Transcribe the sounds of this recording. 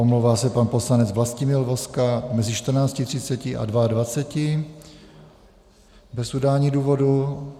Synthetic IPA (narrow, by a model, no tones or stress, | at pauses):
omlowvaːsɛpanposlanɛt͡svlascɪmɪlvoskamɛzɪʃt̪r̩naːt͡scɪt̪r̥ɪt͡sɛcɪʔa̰dvaadvat͡sɛcɪ | bɛsʔudaːɲiduːvo̞du